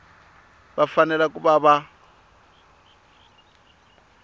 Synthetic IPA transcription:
bafanɛlakʼuβaβa

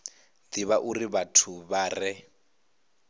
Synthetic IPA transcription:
d̪iβaʔuriβatʰuβaːrɛ

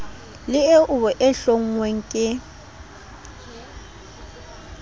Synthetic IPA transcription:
lɪeʔʊβɔʔɛɬoŋ̩ŋweŋ̩kʼɪ

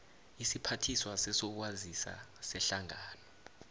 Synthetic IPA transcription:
isipʰatʰiswasɛsɔk̬wazisa̰sɛɬaŋaːnɔ

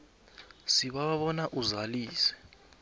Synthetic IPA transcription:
siɓaɓaɓɔnaʔuzaliːsɛ̥

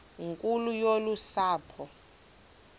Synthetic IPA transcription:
ŋkʼulujolusaːpʰɔ

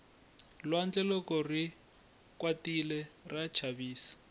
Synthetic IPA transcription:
lwand͡ɮɛlɔkɔri | kwatilɛrat͡ʃʰaβiːsḁ

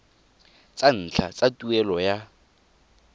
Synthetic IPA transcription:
t͡sʼan̩t͡ɬʰa̰t͡sʼatʼuɛlɔja

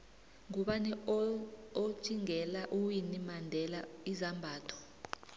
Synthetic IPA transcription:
ŋuɓanɛ | o̥t͡ʃʼiŋʱɛlaʔuwinimandʱɛlaizambʱaːtʰɔ̥

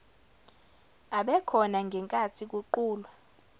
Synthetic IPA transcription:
aɓɛkʰɔnaŋɡʱɛŋkʼatʰik̬uǃuːlwa

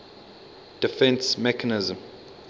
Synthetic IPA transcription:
d̥ifɛ̃nsmɛkʰanɪzə̃m

